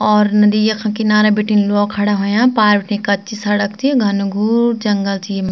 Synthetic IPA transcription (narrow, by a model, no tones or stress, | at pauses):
ɔːɾnɐd̪ijakʰãkɪnaːɾabeːʈinloːkʰɐɽaɦojãpaːɾʋɪʈnikɐtːt͡ʃisɐɽəkt̪iɡʱɐnɡʱuːɾd͡ʒɐŋɡəlt͡ʃim